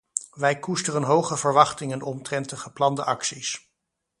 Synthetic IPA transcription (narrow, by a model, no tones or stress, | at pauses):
ʋɛjkustərənɦowχəvəɹʋɑχtɪŋənɔmtrɛntəχəplɑndəʔɑksis